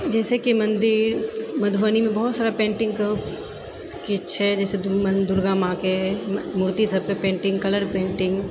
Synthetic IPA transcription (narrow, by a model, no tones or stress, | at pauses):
d͡ʒɛːsekimɐ̃nd̪ɪɾmɐd̪ʱʋənimẽbɐɦʊt̪saːɾapẽːɳʈɪ̃ŋɡk | kiʃʰɛd͡ʒɛːsemɐnd̪ʊɾɡaːmãːkemuːɾt̪isɐb̚kepẽːɳʈɪ̃ŋɡkɐləɾpẽːɳʈɪ̃ŋɡ